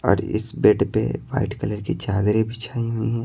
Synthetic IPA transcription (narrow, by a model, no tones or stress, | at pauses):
ɔ̰ːɾɪ̰sbeːʈpḛʋa̰ːɪʈkələɾkit͡ʃaːd̪ɾebʱit͡ʃʰaːiɦʊiɦɛ̃ː